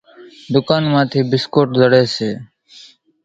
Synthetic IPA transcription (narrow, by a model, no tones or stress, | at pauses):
d̪ʊkaːnmãːt̪ʰiːbɪskoːʈzəɽeːseː